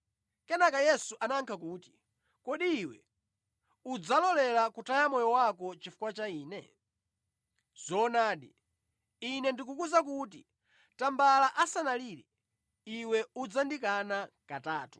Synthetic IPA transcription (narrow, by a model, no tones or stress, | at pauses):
kɛnakajɛsuʔanaŋkʰak̬uːti̥ | kɔɗiːwɛ̰ | ud͡zalɔlɛlakutʰajamɔjɔwakɔt͡ʃifu̥kwat͡ʃaiːnɛ̰ | z̥ɔːnaːɗi | inɛndikukuzak̬ut̬i | tambalaʔasanaliɾɛ | iwɛud͡zandikanakataːtu̥